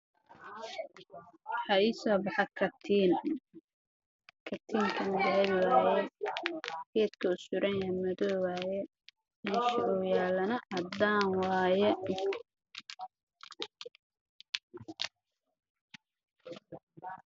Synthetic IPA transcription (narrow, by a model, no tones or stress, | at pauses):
ħɐiːsɔːbɑħɑkʰɐt̪ʰiːn | kʰɐt̪ʰiːŋkʰɐmɐɣaβɪwaːjɛ | hɛːd̪kʰɐʊsʊɾɛŋɐmɐðɔːwaːjɛ | inʃʔɔjaːlɐnɐʕɑd̪aːnwaːjɛ